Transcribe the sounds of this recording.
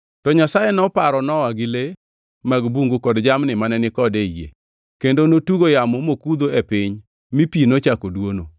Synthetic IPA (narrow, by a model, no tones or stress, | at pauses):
tɔɲasajɛnɔpaɾɔnɔwaɡɪle | maɡbuŋɡokɔdd͡ʒamnɪmanɛnɪkɔdejḛ | kendonotuɡojamomokud̪oepɪɲ | mipinot͡ʃakodwono